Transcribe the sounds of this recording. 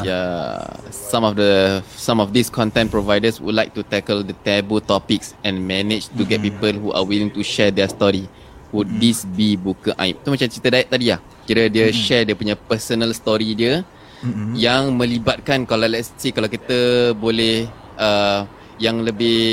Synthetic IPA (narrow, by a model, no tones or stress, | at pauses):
ja | sãmɔfdəsãmɔfd̪iskʰɔ̃nt̪ɛ̃npɾovajdəswṵdla̰jk̚t̪ut̪ɛkəld̪ət̪ɛbəlt̪ɔpiksɛ̃nmɛnɪt͡ʃt̪uɡɛt̚pipəlɦuʔa̰wilĩŋt̪uʃɛdɛst̪ɔɾi | wut̚disbibukəʔa̰jp̚t̪umat͡ʃamt͡ʃit̪ədaɛʔ̚t̪adilah | kiɾədiəʃɛdiəpuɲapəsənəlst̪ɔɾidiə | jaŋmə̃libat̪̚kankalalɛstikalawk̬it̪əbolɛh | ʔə | jaŋləbɪh